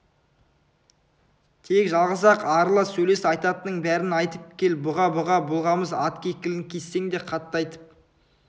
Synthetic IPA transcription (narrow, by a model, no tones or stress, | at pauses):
t̪ʰe̞kʒɑlˠʁəs̬ɑqɑɾlˠəsɵjle̞sɑjt̪ɑt̪ənəɴbæɾɪnɑjt̪əp̚kʲʰe̞lbʊʁɑbʊʁɑbʊlˠʁɑməzɑt̪kʲʰe̞kʲɪlɪŋkʲʰe̞sːe̞ŋd̪e̞qʰɑt̪ːɑjt̪ə̥p̚